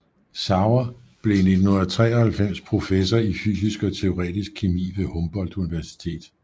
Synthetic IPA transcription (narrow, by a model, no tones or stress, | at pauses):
sɑ̈ʊɐ | b̥le̝ned̥n̩oð̰ˠɐt͡sʰʁɛ̰ːɒhælfem̰spʰʁo̝fesɐify̰ːsisɡ̥ɒ̽t͡sʰe̝o̝ʁɛ̰ːd̥isɡ̥̚kʰimḭːʋe̝hɔ̽mb̥ɒ̽l̰d̥uniʋæɐsi̥t͡sʰe̝̰ːd̥